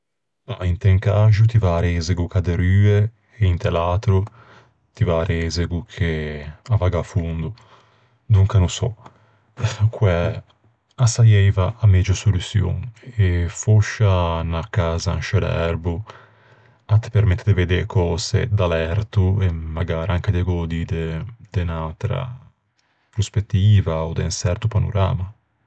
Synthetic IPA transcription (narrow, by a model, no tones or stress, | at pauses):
a̰int̪ɛŋkaʒut̪ivaɾezeɡukad̪eɾyːeː | int̪ɛlaːt̪ɾu | t̪ivaːɾezeɡukʰeavaɡafund̪u | d̪uŋkanusɔ̰ | kwɛ | asajɛjvaamɛd͡ʒosolusjo̰ŋefoʃanakaːzanʃelɛ̰ɾbu | at̪peɾmɛt̪ːd̪eved̪eɾkʰɔːzḛd̪alɛɾt̪uɛmaɡaːɾaŋked̪eɡɔd̪id̪ed̪̥enalt̪ɾa̰ | pɾospet̪ːiːvaod̪ɛnsɛɾt̪upano̰ɾa̰ːma